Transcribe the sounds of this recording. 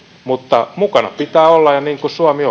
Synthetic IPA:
mut̪ːɑmukɑnɑ̰pit̪æːolːɑjjɑniːŋkusuɑmio

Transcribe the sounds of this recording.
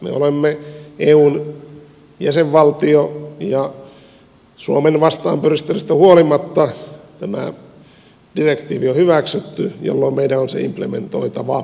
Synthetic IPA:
mḛolemːeeːuːn | jæseʋʋɑlt̪iojɑ | suomenʋɑst̪ɑːmpørist̪erist̪æhuolimɑt̪ːɑt̪æmæ̰ | d̥irekt̪iːʋiohyʋæksyt̪ːyjo̰lːoimmeidæonsḛḭmplḛmḛnt̪o̰it̪ɑʋɑ

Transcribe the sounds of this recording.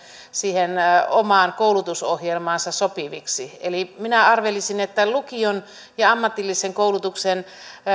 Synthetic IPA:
siːhenomɑːnkoulut̪usohjelmɑːnsɑsopiʋiksieliminæɑrʋelisinet̪ːælukion | jɑɑmːɑt̪ilːiseŋkoulut̪uksen

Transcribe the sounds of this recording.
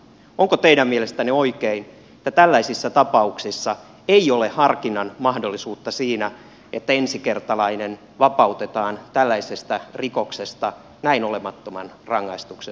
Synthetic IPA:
oŋkot̪eidæmmielest̪ænioikein | ĕt̪ːæt̪ælːæisisːæt̪ɑpɑuksisːɑ | eiolehɑrkinɑnmɑhdo̞lːisuːt̪ːɑsiːnæ | et̪ːæensikert̪ɑlɑinen | ʋɑpɑut̪et̪ɑːnt̪ælːæisest̪ærikoksest̪ɑ | næinolemɑt̪ːomɑ̰nrɑŋːɑist̪ukse

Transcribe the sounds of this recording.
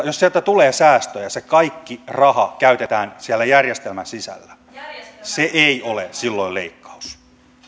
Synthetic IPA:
jossiælt̪æt̪uleːsæːst̪øjɑsekɑikːirɑhɑkæyt̪et̪æːnsiælːæjærjest̪elmænsisæ̰lːæ̥ | seʔeiolesilːoileikːɑ̥u̥s

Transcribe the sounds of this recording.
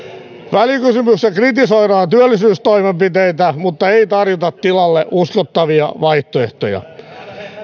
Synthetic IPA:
ʋælikysymyksɑkrit̪isoiɾɑːnt̪yølːisyːst̪oimempit̪eit̪æmut̪ːɑeit̪ɑrjot̪ɑt̪tilɑlːḛʔuskot̪ːɑʋiɑ̰ʋɑiht̪oeht̪o̰jɑ̰

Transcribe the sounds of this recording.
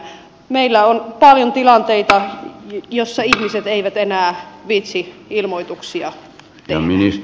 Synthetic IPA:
meilːæonpɑljont̪ilɑnt̪eit̪ɑ | josːɑihmiset̪eiʋæt̪enæːʋit̪siilmoit̪uksiɑ | t̪eɑ̰minis

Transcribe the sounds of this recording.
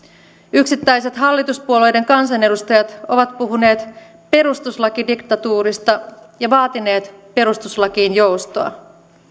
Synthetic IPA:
yksit̪ːæjse̞t̪ɦɑlːit̪uspuole̞jde̞ŋkɑnsɑne̞dust̪ɑjɑt̪o̞ʋɑt̪puɦune̞ːt̪ | pe̞ɾust̪uslɑkidikt̪ɑt̪uːɾist̪ɑjɑʋɑːt̪ine̞ːt̪pe̞ɾust̪uslɑkiːnjo̞wst̪oɑ̰

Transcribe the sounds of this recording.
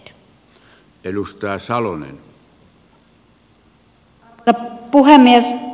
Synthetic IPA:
t̪ | elust̪ɑˑesɑlonḛn | ɑpuhemːiæs

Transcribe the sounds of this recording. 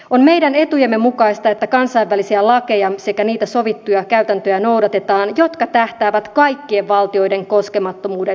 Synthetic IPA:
o̞nme̞jdæne̞t̪ujemːe̞mukɑjst̪ɑe̞t̪ːækɑnsɑijʋːælisiælɑke̞jɑse̞kæniːt̪æso̞ʋit̪ːujɑkæyt̪ænt̪ø̞jæno̞wdɑt̪e̞t̪ɑːnjo̞t̪kɑt̪æht̪æːʋæt̪kɑjkːie̞ʋʋɑlt̪io̞jde̞ŋko̞ske̞mɑt̪ːomuːde

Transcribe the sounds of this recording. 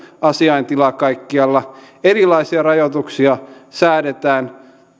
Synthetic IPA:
ɑsiɑint̪ilɑkɑikːiɑlːɑ | erilˑɑisiɑrɑjot̪uksiɑsæːdet̪æːn

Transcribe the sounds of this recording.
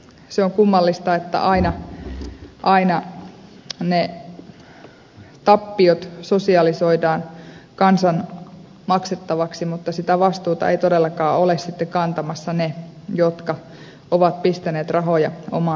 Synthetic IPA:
seoŋkumːɑlːist̪ɑet̪ːæ̰ʔɑinɑ | ʔɑinɑ | ne | t̪ɑpːiot̪sosiɑlisoidɑːnkɑnsɑn | mɑkset̪ːɑʋɑksimut̪ːɑsit̪æʋɑst̪uːt̪ɑ̰ḛit̪odelːɑkɑːolessit̪ːekɑnt̪ɑmɑsːɑnejot̪kɑ | oʋɑt̪̚pist̪æneːt̪rɑɦojɑo̰mɑ

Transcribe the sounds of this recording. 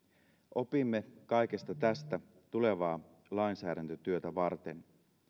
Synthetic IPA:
ʔo̞pimːe̞kɑjke̞st̪ɑt̪æst̪æ | t̪ule̞ʋɑː | lɑinsæːɾænt̪øt̪yøt̪æʋɑrt̪e̞n

